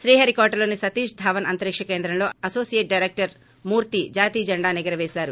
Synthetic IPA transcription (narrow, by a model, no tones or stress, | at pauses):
ʃɾiːɦɐːɾikɔːɾʈɐlo̞ːnisɐt̪iːʃd̪ʱaːʋɐnɐnt̪ɐɾikʂɐkeːnd̪ɾɐmlo̞ːɐsoːsijeʈ̚ɖɐjɾek̚ʈɐɾ | muːɾt̪id͡ʒaːt̪iːd͡ʒɐɳɖaːnɛɡɐɾɐʋeːsaːɾu